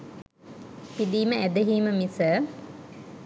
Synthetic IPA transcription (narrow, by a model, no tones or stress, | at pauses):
pid̪iːməæd̪əɦiːməmisə